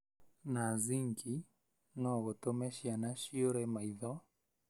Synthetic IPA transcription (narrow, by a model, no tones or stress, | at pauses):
naziŋki | nɔɣɔtɔmɛʃianaʃiɔɾɛmaiðɔ